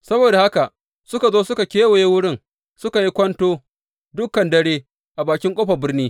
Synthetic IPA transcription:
sɐ˦boː˨da˨ha˦ka˨ʔ | sʊ˦ka˨zoː˦sʊ˦ka˨kʲeː˦we˨je˦wʊ˦ɽɪ˦˨ŋ | sʊ˦ka˨ji˦kʷɐ˦ntoː˦ | dʊ˦kːɐ˨ndɐ˦ɽeː˦ | ʔa˨baː˨kʲɪ˦ŋkʷʼoː˦ɸa˨bɪ˦rniː˦

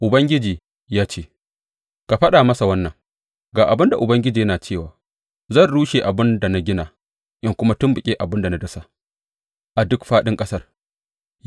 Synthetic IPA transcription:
ʔʊ˨bɐ˦ŋɡʲɪ˦d͡ʒiː˨ | jaː˦t͡ʃeː˦ | ka˨ɸɐ˦ɗaː˨mɐ˦sa˨wɐ˦nːɐ˨ŋ | ɡaː˨ʔa˨bɪ˦nda˨ʔʊ˨bɐ˦ŋɡʲɪ˦d͡ʒiː˨jɐ˦naː˨t͡ʃeː˦˨waː˨ | zɐ˦˨nɽuː˦ʃeː˨ʔa˨bɪ˦nda˨na˦ɡʲɪ˦naː˨ | ʔɪ˦ŋkʷʊ˦ma˦tʊ˦mbʊ˨kʲʼeː˦ʔa˨bɪ˦nda˨na˦dɐ˦sa˦˨ | ʔa˨dʊ˦kɸaː˦ɗɪ˦ŋkʼɐ˦sɐ˦r

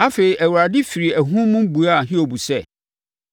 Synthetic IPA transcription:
a˦fe˨ɾi˨ʔæ˨wu˨a˨dɪ˦fi˨ɾi˨æ˨ɦʊ̃˦mʊ̃˦m˦bu˨a˦˨ɦĩ˦o˨bu˨sɛ˦˨

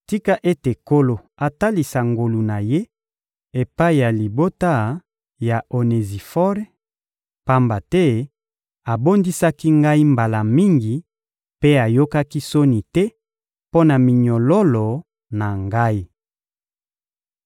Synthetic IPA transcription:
ti˦ka˦ʔe˦te˨ko˦lo˨ | a˨ta˦li˨sa˨ŋɡo˨lu˨na˨je˦ | e˨pa˦i˦˨ja˨li˨bo˦ta˦ | ja˨ʔo˨ne˨zi˨fɔ˦ʁ | pa˦mba˨tɛ˦ | a˨bo˦ndi˦sa˦ki˦ŋɡa˦i˦mba˨la˨mi˦ŋɡi˨ | pe˦a˨jo˦ka˦ki˦so˦ni˨tɛ˦ | po˦na˨mi˨ɲɔ˨lɔ˦lɔ˨ | na˨ŋɡa˦i˦

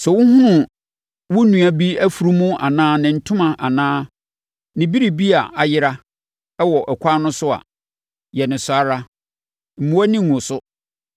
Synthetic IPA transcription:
sɛ˨wʊ̃˦hʊ̃˦nʊ̃˨ | wʊ˦nũ˨a˨bi˦æ˦fu˨ɾu˦mũ˦a̰˨nãː˦nɪ̃˨n̩˦tʰʊ̃˦mã˨ʔa˨nãː˦ | nɪ̃˨bi˦ɾi˨bi˦a˨ʔa˨jɪ˦ɾa˦ | ɛ˦wɔ˨ʔɛ˨kʷʰa˦nʊ̃˦sʊ˦a̰˨ | jɛ˨nɪ̃˨sʊ˨a˦ɾa˦ | m̩˨mũ˦æ˦nɪ̃˦˨ŋʊ̃˨sʊ˦

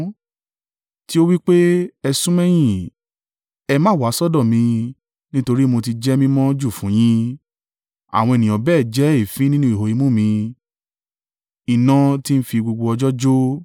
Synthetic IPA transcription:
ti˦o˦wi˦k͡pe˦ɛ˧sũ˦mɛ̃˦j̃ĩ˨ | ɛ˧mã˦˨wa˨˦sɔ˦dɔ̃˦˨mĩ˧ | nĩ˦to˧ɾi˦mo˧t̬i˧d͡ʒɛ˦mĩ˦mɔ̃˦d͡ʒu˦˨fũ˨˦j̃ĩ˦ | a̰˨w̃ɔ̃˧e˨nĩ˨ɔ̃˨bɛː˦˨d͡ʒɛ˨˦i˦˨fĩ˨˦nĩ˦nũ˦i˨ɦo˨i˧˦mũ˦˨mĩ˧ | i˨nã˧˦ti˦n̩˦fi˧ɡ͡bo˧ɡ͡bo˧ɔ˧d͡ʒɔ˦d͡ʒo˦

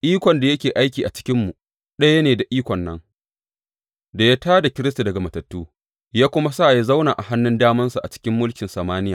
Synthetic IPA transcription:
ʔiː˦kʷɔ˨nda˨jɐ˦kʲeː˨ʔa˦jkʲiː˨ʔa˨t͡ʃɪ̥˦kʲɪ˦mːu˨ | ɗɐ˦jɐ˦neː˨da˨ʔiː˦kʷɔ˨nːɐ˦ŋ | da˨ja˦taː˦da˨kʲɪ˦ɾɪ˦s̬ta˨dɐ˨ɡa˨mɐ˨tɐ˨tːuː˦ | jaː˦kʷʊ˦ma˦saː˦˨ja˦za˦wnaː˨ʔa˨ha˦nːʊ˦ndaː˦mɐ˦nsa˨ʔa̰˨t͡ʃɪ̥˦kʲɪ˦mːʊ˦lkʲɪ˨nsɐ˨maː˦nɪ˦ja̰ː˨

